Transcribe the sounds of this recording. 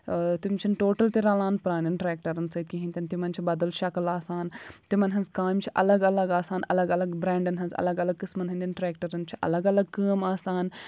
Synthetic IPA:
t̪imt͡ʃʰinʈoːʈɐlt̪iɾaːlaːnpɾaːnɐnʈɾeːk̚ʈɐɾɐnsɐt̪̚kʲiɦĩnt̪ʲɐnt̪imɐnt͡ʃʰibɐd̪ɐlʃɐkɐlaːsaːnt̪imɐnɦɐnzkaːmʲt͡ʃʰiʔɐlɐɡɐlɐɡaːsaːnɐ̰lɐɡɐlɐɡbɾeːɳɖɐnɦɐnzɐ̰lɐɡɐlɐɡ̚kɨsmɐnɦɐnd̪ʲinʈɾeːkʈɐɾɐnt͡ʃʰi̥ʔɐ̰lɐɡɐlɐɡ̚kəːmaːsaːn

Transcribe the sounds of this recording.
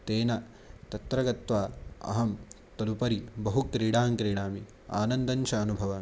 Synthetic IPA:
t̪eːnɐ | t̪ɐt̪ɾɐɡɐt̪ʋaːɐ̰ɦɐm | t̪ɐlupɐɾibɐɦukɾiːɽaːmkɾiːɽaːmi | a̰ːnɐnd̪ɐnt͡ʃʰɐːnubʱɐʋɐ

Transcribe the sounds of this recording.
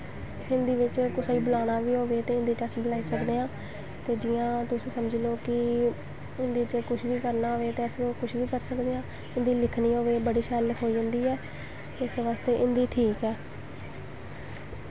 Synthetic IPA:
ɪnd̪iːʋɪt͡ʃkʊsaːiːbəlaːnaːʋiːɦoːʋeːt̪eːɪ̃nd̪iːt͡ʃəsːbəlaːiːsəkd̪eːãː | t̪eːd͡ʒɪːãːt̪ʊssəməd͡ʒloːkɪ | ɪnd̪iːɪt͡ʃkʊʃʰʋiːkəɾnaːɦoːʋeːt̪eːəsokʊʃʰʋiːkəɾsəkd̪eːãː | ɪnd̪iːlɪkʰniːɦoːʋeːbəɽiːʃɛlɦoːiːə̃nd̪iːɛː | eɪsʋaːst̪eːʔɪnd̪iːʈʰiːkɛː

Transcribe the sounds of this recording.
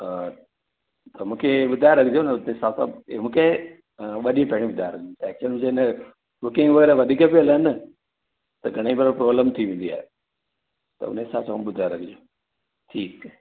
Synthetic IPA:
t̪ɐmũːkʰeɓʊd̪ʱaɪɾɐkʰɪd͡ʒjonʊt̪esaːlsã̰mũːkʰe | ɓɐɗiẽpeɦɽ̃ĩɓʊd̪ʱajɾɐkʰd͡ʒt̪ːkt͡ɕənʊd͡ʑenə | bʊkɪ̃ŋɡʋɐɡeːɾeʋɐd̪ʱikəpielənə | t̪ɐɡʱɐɽ̃ẽbɐɾpɾoːbləmt̪ʰiʋẽnd̪ia̰ːɦe | t̪ɐ̰ʊ̰nẽsaːlsaːumɓʊd̪ʱajɾɐkʰɪd͡ʒoː | ʈʰiːk

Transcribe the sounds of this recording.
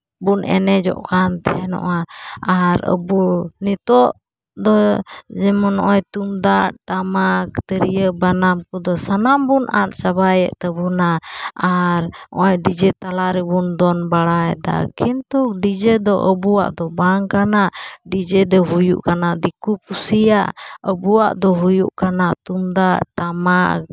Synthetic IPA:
bunʔɛ̰nɛd͡ʒɔ̰ʔkant̪ɛɛnɔ̰ʔaaɾə̰bunit̪ɔʔ | d̪ɔd͡ʒɛmɔnɔ̰ʔɔjt̪umd̪aʔʈamak̚t̪əɾijəbanamkud̪ɔsanambunʔa̰t̪̚t͡ʃaβajɛ̰ʔt̪əbunaaɾɔɔjɖid͡ʒɛt̪alaɾɛbund̪ɔnbaɽajd̪a̰kʰint̪uk̚ɖid͡ʒɛd̪ɔʔəbuwa̰ʔd̪ɔbaŋkanaʔɖid͡ʒɛd̪ɛɦujṵʔkanaʔd̪ikup̚usijaʔəbuwaʔd̪ɔɦujṵʔkanaʔt̪umd̪aʔʈama̰k̚

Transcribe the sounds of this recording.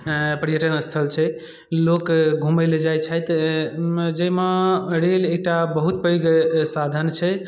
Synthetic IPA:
pɾjəʈənəst̪ʰəlt͡ʃʰɛ | lokɡʱuməjled͡ʒajt͡ʃʰəjt̪ | d͡ʒəmeɾelek̚ʈabəɦut̪̚pəjoɡsad̪ʱənt͡ʃʰɛ

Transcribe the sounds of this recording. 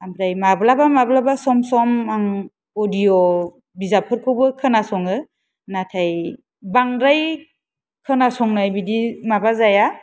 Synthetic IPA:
ambɾajmablabamablabasɔmsɔmaŋ | ɔdijɔ | bizapʰɯɾkʰɯbɯkʰɯnasɔŋɯ | natʰaj | baŋɾaj | kʰɯnasɔŋnajbidimabazaja

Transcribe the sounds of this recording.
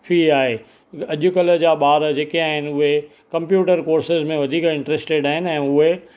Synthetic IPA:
fʰiaːɦe | ɐʄʊkələd͡ʑaːɓaːɾd͡ʑeːkeaːɦɪnɪ̆ʊɦe | kɐ̃mpjuːʈəɾkoːɾsɪzmẽʋɐd̪ʱiːkɪ̃ɳʈɾeːsʈeɖaːɦɪnɪ̆ɛ̃ːʊɦe

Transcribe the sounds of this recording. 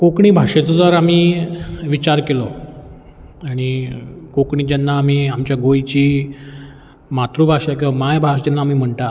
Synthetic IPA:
kokɳiːbʱaʂet͡sɔd͡zaɾamiːʋit͡ɕaɾkelɔ | aɽ̃ikokɳiːd͡ʑanːaːmiːamt͡ɕjaɡojt͡ɕiː | mat̪ɾuːbʱaʂak̬ĩʋamajbʱaʂd͡ʑanːaamiːm̤əɳt̪a

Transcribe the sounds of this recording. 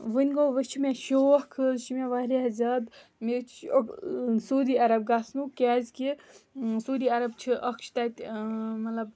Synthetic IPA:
ʋɨnʲɡoʋət͡ʃʰimeʃoːhkʰɨʃimeʋaɾiɦɐzɐd̪mit͡ʃʰosuːd̪iːaɾɐb̚ɡasnukʲaːzki | sud̪iːɐɾɐbt͡ʃʰiʔɐkʃt̪at̪ʲmɐlɐb

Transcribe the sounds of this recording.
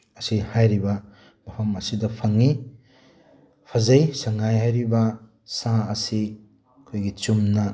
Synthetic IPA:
ɐsihajɾibɐ | b̥ɐpʰɐmɐsidɐpʰɐŋi | pʰɐzɐjsɐŋajɦajɾibɐ | sãɐsi | kʰojɡit͡ʃumnɐ

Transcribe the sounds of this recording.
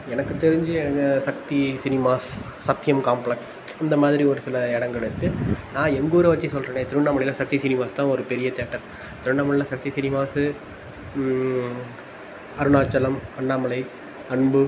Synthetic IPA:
ɛnɐkːɯt̪ːɛɾɪɲd͡ʒɯsɐk̚t̪isɪnɪmaːsːɐt̪ːɪjɐmkaːmpɭɐks | ɐnd̪ɐmaːðɪɾiɔɾɯsɪlɐɛɽɐŋɡɐɭɪɾɯkːɯnãːɛŋɡoːɾɯʋɐt͡ʃːisɔlɾɐːnẽːt̪ɪɾɯɳːaːmɐɭɪlɐsɐk̚t̪isɪnɪmaːst̪ãːɔɾɯpɛɾɪjɐt̪eːʈːɐɾ | t̪ɪɾɯɳːaːmɐɭɪlɐsɐk̚t̪isɪnɪmaːsɯ | ɐɾɯnaːt͡ʃːɐlɐmɐɳːaːmɐɭɐɪ | ɐɳbɯ

